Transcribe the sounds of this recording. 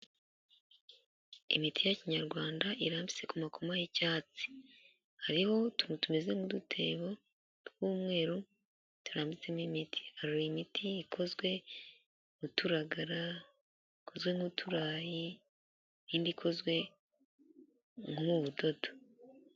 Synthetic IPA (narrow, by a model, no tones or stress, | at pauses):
ḭmitijaciɲaɾɡwaːndaʔiɾaːmbit͡se̞kumakʰomajicaːt͡si̥ | haɾiho̞tuɾtume̞ze̞mudutʰe̞ːβo̞ | twuːmŋe̞ːɾo | tuɾaːmbit͡semimitʰi̥haɾoɾimitʰiːkʰo̞zɡwe̞ | mutuɾaɡaɾa | iko̞zwe̞ŋutʰuɾaːji | niːndikʰo̞zɡwe̞ | ŋhumuβudo̞to̥